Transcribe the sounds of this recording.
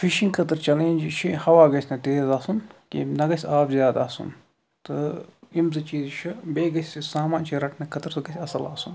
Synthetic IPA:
fiʃiŋɡkʰɐt̪ɨɾt͡ʃɐleːnʲd͡ʒit͡ʃʰihɐʋaːɡɐsʲnɐt̪eːzaːsunkḭnɐɡɐsʲaːpzjaːd̪aːsṵn | t̪ɨimzɨt͡ʃiːzt͡ʃʰibeːɡɐsʲisaːmãːnt͡ʃʰiɾɐʈʰnɐkʰɐt̪ɾsɨɡɐsʲɐsɐlaːsun

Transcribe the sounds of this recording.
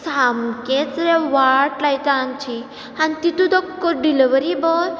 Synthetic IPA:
samket͡sɾeʋaɾʈlajt̪ant͡ɕʰi | ant̪it̪ud̪ɔkːəɾɖiliʋəɾibɔl

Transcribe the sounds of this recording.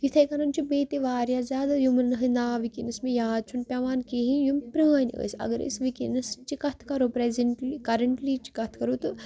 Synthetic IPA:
jit̪ʰɐjkɐnɐnt͡ʃʰibeːt̪eʋaːɾjaːzʲaːd̪ajumnɨɦɨnd̪aːʋikinɐsmejaːd̪̚t͡ʃʰunpʲaʋaːnkeɦijumpɾiːnʲiə̰sɐ̰ɡəɾḛsʋikḭnɐst͡ʃikɐt̪ʰkɐɾoːpɾezɐɳʈlikɐɾɐɳʈlit͡ʃi̥kɐt̪ʰkɐɾuːt̪ɨ

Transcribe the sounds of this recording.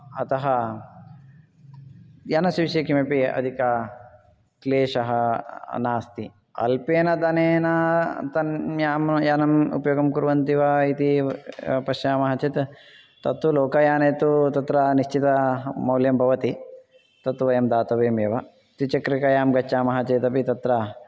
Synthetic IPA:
ɐt̪ɐɦɐ | janɐsiʋiʃjɐkimɐpiɐ̰d̪ʱikaː | kleːʃɐɦɐnaːst̪i | ɐ̰lpeːnɐd̪ɐneːnɐt̪ɐnjaːmjaːnɐmṵpɐjoːɡɐmkuɾʋɐnt̪iʋɐit̪i | pɐʃjaːmɐɦɐt͡ʃit̪ | t̪ɐt̪uloːkɐjaːneːt̪ut̪ɐt̪ɾɐniʃt͡ʃit̪ɐmɐwljɐmbʱɐʋɐt̪i | t̪ɐt̪ːuʋɐjɐmd̪aːt̪ɐʋeːmjɐʋɐ | t̪it͡ʃɐkɾikɐjaːmɡɐt͡ʃːaːmɐɦɐt͡ʃeːt̪ɐpit̪ɐt̪ɾɐ

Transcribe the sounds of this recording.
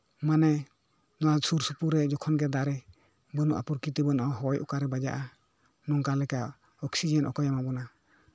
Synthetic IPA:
manɛ | nɔwasuɾsupuɾɛd͡ʒɔkʰɔnɡɛd̪aɾɛ | bənuʔa̰puɾkit̪ɛbɔnɔʔɔɦɔjʔɔ̰kaɾɛbad͡ʒa̰ʔa | nɔŋkalɛka | ɔksid͡ʒɛnʔɔ̰kɔjamabɔna

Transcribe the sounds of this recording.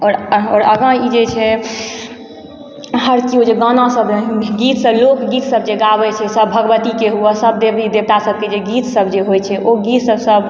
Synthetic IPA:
ɔɾɔ̰ːɾəɡə̃id͡ʒet͡ʃʰɛ | ɦəɾt͡ʃiod͡ʒeɡənãsəbɡit̪səblokɡit̪səb̚d͡ʒeɡabɛt͡ʃʰɛsəbbʱəɡəbət̪ikeɦuasəbd̪ebid̪eb̚t̪asəb̚ked͡ʒeɡit̪səbd͡ʒeɦojt͡ʃʰɛʔoɡit̪səbsəb

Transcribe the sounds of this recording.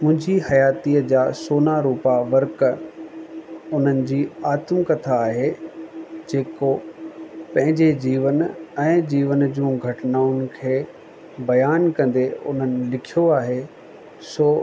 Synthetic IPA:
mʊ̃ɦɪ̃ɲd͡ʑihɐjaːt̪iəd͡ʑaːsoːnaɾuːpaʋɐɾk | ʊn̤ənɪ̆d͡ʑiːaːt̪mkɐt̪ʰaːɦe | d͡ʑeːko | pɐ̃ɦɪ̃ɲd͡ʑed͡ʑiːʋənɛ̃ːd͡ʑiːʋənd͡ʑũːɡʱɐʈnaːʊnkʰeː | bɐjaːnkɐ̃nd̪eʊ̰n̤ənɪ̆lɪkʰijoaːɦe | soː

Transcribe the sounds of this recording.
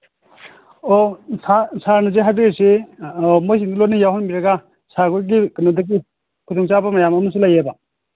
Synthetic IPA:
osʰasʰaɾnɐzeɦajbiese | mojs̬indilotnijawɦɔnbiɾɐɡa | sʰaɡuɾɡikɯnodɐɡi | kʰutɔŋt͡ʃabɐmɐjamɐmɐs̬ulajeba

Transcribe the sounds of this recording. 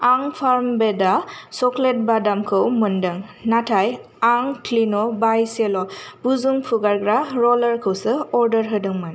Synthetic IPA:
aŋpʰaɹmbɛdasɔklet̚badamkʰɯwmɯndɯŋnatʰaj | aŋkʰlinɔbajsɛlɔb̥uzuŋpʰuɡaɹɡɾaɹɔləɹkʰɯwsɯɔɹdəɹɦɯdɯŋmɯn

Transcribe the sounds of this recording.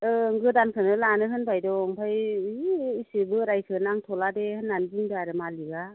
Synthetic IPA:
ɯŋɡɯdankʰɯnɯlanɯɦɯnbʰajdɔŋpʰaj | isɯbɯɾajsʰɯnaŋtʰɔladehɯnːanbɯŋdɯaɾɯmaliɡa

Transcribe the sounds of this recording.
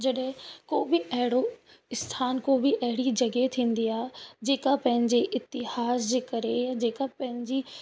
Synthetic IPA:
d͡ʑɐɗɪ̃koːbɪʔɐɦɪɽo | ɪst̪ʰaːnkoːbʱiʔɐɦɪɽid͡ʑɐɡet̪ʰĩːn̆d̪iaːɦed͡ʑeːkapɐ̃ɦɪ̃ɲd͡ʑeʔɪt̪ɪhaːs̬d͡ʑekɐɾejad͡ʑeːkapɐ̃ɦɪ̃ɲd͡ʑi

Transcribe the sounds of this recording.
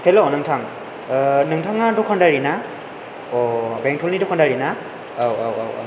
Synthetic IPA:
kʰelɔnɯŋtʰaŋ | nɯŋtʰaŋadɔkʰandaɹina | ɔbɛŋtʰɔlnidɔkʰandaɹina | awa̰wa̰wa̰

